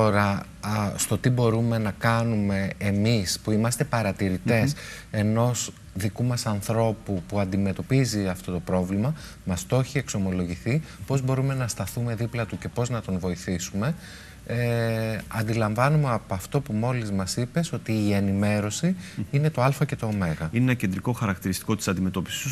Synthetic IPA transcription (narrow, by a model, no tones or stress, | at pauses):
t̪o̞ɾɐ | st̪o̞t̪ibo̞ɾume̞nɐkɐnume̞ːmispuimɐst̪e̞pɐɾɐt̪iɾit̪e̞se̞no̞s | ðikumɐsɐnθɾo̞pupuɐnd̪ime̞t̪o̞piziɐft̪o̞t̪o̞pɾo̞vlimɐ | mɐst̪o̞çie̞kso̞mo̞lo̞ʝiθipo̞zbo̞ɾume̞nɐst̪ɐθume̞ðiplɐt̪uce̞po̞znɐt̪onvo̞iθisume̞ | eɐnd̪ilɐɱvɐnumeɐpoɐft̪o̞pumo̞lizmɐsipe̞so̞t̪iːe̞nime̞ɾo̞siine̞t̪o̞ɐlfɐce̞t̪o̞ːme̞ɣɐinenɐce̞nd̪ɾiko̞xɐɾɐk̚t̪iɾist̪i̥ko̞t̪i̥sɐnd̪ime̞t̪o̞pi̥si̥us